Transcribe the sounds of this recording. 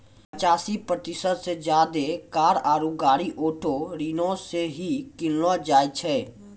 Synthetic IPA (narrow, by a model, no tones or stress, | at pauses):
pət͡ʃaːsipɾət̪ɪsəd̪sed͡ʒjaːd̪ekaːɾaːɾuɡaːɾiʔoːʈʰoɾiːnõseɦikɪllãd͡ʒaːjt͡ʃʰɛː